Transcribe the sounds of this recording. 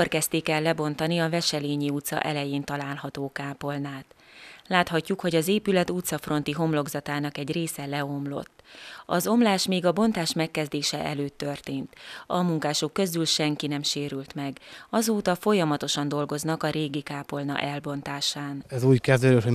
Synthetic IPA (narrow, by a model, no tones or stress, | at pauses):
orkɛst̪ikɛlːɛbo̞nt̪ɒniɒvɛʃɛleːɲiut̪sɒ̰ʔɛlɛjeːnt̪ɒlaːlɦɒt̪oːkaːpo̞lnaːt̪ | laːt̪hɒcːukho̞ɟɒzeːpylɛt̪ut̪sɒfro̞n̪t̪iɦo̞mlo̞ɡzɒt̪aːnɒkɛɟreːsɛlɛo̞mlo̞̰t̪ːɒ̰zo̞mlaːʃmeːɡɒbo̞nt̪aːʃmɛkːɛzd̪eːʃɛʔɛ̰løːt̪ːørt̪eːnt̪ɒmuŋkaːʃukːø̞zylʃɛŋkinɛmʃeːɾylt̪mɛɡɒzoːt̪ɒfo̞jɒmɒt̪o̞ʃɒnd̪o̞lɡo̞znɒkɒɾeːɡikaːpo̞lnɒ̰ʔɛlbo̞n̪t̪aːʃaːnɛzuːckɛzd̪øɾøho